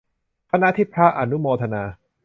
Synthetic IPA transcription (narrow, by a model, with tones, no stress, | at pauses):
kʰa˧na˦˥t̪ʰiː˦˥˩pʰɾa˦˥ʔa˧˩nu˦˥moː˧t̪ʰa˧naː˧